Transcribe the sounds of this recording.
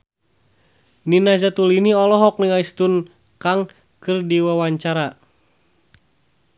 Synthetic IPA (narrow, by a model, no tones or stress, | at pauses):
ninazat̪uliniɔlɔɦɔk̚niŋaist̪un | kaŋ | kɨrdiwawaɲt͡ʃaɾa